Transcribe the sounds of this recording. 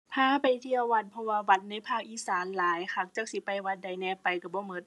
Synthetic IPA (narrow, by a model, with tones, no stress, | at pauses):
pʰaː˧˥˨pa˨jt̪ʰi˧˨ɐ˧˨wwa˧˩t̪̚pʰɔ˧waː˧wa˧t̪̚na˧˥˨jpʰaː˥˩k̚ʔiː˧˥saː˨˦nlaː˨˦jkʰa˧˩k̚t͡ɕa˧˥˩k̚si˧˦pa˨jwa˧t̪̚da˧˨˩jnɛː˧˩pa˨jka˧˩bɔː˧˦mɤ˧t̪̚